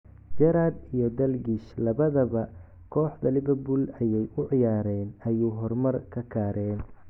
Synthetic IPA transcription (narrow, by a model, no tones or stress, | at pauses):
d͡ʒɛɾaːd̪ijɞd̪ɐlɡiʃlɐβɐðɐβɐ | kʰɔːħd̪ɐlɪβɛbulɐjɛjʊʕɪjaːɾɛːnɐjuːɦɔrmɐrkʰɐkʰaːɾɛːn